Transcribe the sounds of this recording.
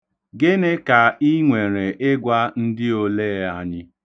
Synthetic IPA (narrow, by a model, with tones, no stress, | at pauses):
ɡɪ˦ne˦ka˨i˦ŋʷe˨ɾe˨ʔɪ˦ɡʷa˦n̩˦dɪ˦o˦leː˦a˨ɲɪ˦